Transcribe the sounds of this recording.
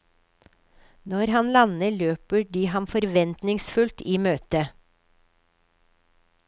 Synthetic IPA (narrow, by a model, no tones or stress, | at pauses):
nɔɾhɑnlɑnəløːpəɖiːhɑmfɔɾʋɛnt̪nɪŋsfʉlt̪iːmøːt̪ə